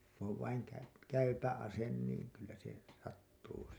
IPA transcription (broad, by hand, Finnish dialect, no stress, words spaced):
ku oʋ ʋɑiŋ kæy kæypæ ɑsen niːn̞ kylːæ se sɑtːuː